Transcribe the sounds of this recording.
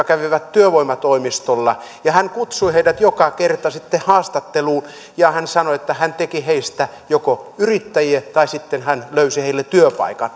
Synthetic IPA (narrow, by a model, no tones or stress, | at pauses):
ɑkæʋiʋæt̪t̪yøʋoimɑt̪oimist̪olːɑ | jɑhænkut̪suiheidæt̪jokɑkert̪ɑsit̪ːehɑːst̪ɑt̪ːeluːn | jɑhænsɑnoet̪ːæhænt̪ekiheist̪æ | jokoyrit̪ːæjiet̪ɑisit̪ːenhænløysiheilːet̪yøpɑ̰ikɑn